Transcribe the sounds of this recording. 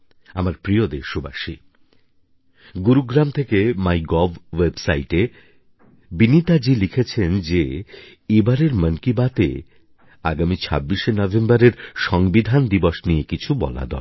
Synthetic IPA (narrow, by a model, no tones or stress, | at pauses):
amaɾpɾiod̪eʃoba̰ʃi | ɡuɾuɡɾamt̪ʰekemajɡɔbwebsaiʈe | binit̪ad͡ʑilikʰet͡ɕʰend͡ʑe | ebaɾeɾmənkibat̪ḛ | a̰ɡamit͡ɕʰa̰bːiʃenɔvʱembaɾeɾʃɔŋbid̪ʱand̪iboʃnijekit͡ɕʰubɔ̰la̰d̪ɔ̰